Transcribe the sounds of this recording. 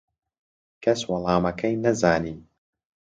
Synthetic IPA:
kɐswɐlˠɑːmɐkʰɐjnɐzaːniː

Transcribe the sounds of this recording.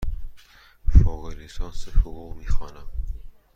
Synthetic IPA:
fɔːɣeɾisɒːnsehʊɣuːɣmiːxɒːnæm

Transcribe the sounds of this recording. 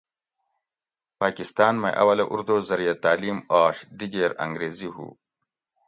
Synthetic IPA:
paːkɪst̪ɑːnmeʔɐ̰wɐlɐʔṵɾd̪oːzɐɾijat̪aːliːmaːʂd̪iɡeɾɐ̰ŋɡɾeːziɦṵː

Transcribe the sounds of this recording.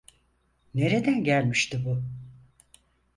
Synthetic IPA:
ne̞ɾe̞d̪ænɟælʲmiʃt̪ʰibu

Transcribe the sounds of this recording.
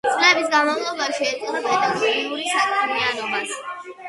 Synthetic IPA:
t̪sʼlɛbisɡanmavlˠɔbaʃiɛt̪ʼilɛpɛd̪aɡɔɾiuɾisakʼɾmianɔbas

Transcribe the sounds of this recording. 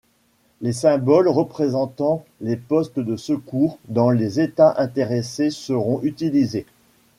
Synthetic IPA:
lesɛ̃bɔlʁəpχezɑ̃t̪ɑ̃lepɔst̪d̪əsəkuʁd̪ɑ̃lezet̪aʔɛ̃t̪eʁesesəʁɔ̃ʔyt̪ilize

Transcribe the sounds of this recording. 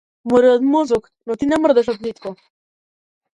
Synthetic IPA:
moɾɛɔt̪mɔzɔk | nɔt̪inɛmərd̪ɛʃ̬ɔt̪nit̪kɔ

